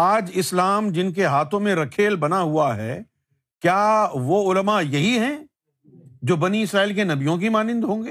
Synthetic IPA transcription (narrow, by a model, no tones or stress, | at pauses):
aːd͡ʒɪslaːmd͡ʒɪnk̬eɦaːt̪ʰõmẽɾɐkʰeːlbɐnaɦuaɦɛ̰ː | kjaːʋoʊləmajɐɦiɦɛ̃ | d͡ʒoːbɐniɪsɾaːiːlkenɐbijõk̬imaːnɪ̃nd̪ɦõːŋɡeː